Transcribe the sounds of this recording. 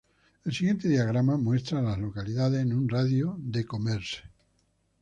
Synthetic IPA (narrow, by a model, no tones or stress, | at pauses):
elsiɣje̞nt̪e̞ðiaɣ̞ɾamamwe̞st̪ɾalazlo̞kaliðaðesnũnraðjoðekomeɾse̥